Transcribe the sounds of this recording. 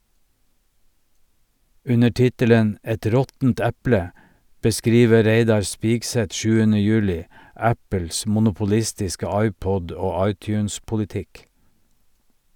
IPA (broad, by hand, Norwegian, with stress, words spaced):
ˈʉnə ˈʈɪtələn ˈʔɛt ˈɾɔtn̩t ˈæplə bəˈskɾiːʋə ˈɾeɪdɑɾ ˈspiːɡˌsɛt ˈʃʉːənə ˈjʉːlɪ ˈæpəls mʊnʊpʊˈlɪstɪskə ˈɑɪˌpɔd ˈoː ˈɑɪˌtjʉːnspʊlɪˌtɪk